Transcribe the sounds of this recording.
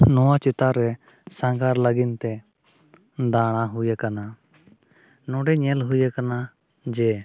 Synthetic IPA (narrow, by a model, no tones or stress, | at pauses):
nɔwat͡ʃɛt̪aɾɛ | sãŋɡaɾləɡint̪ɛ | d̪aɽ̃aɦujakana | nɔ̃ɖɛɲɛlɦujakana | d͡ʒɛ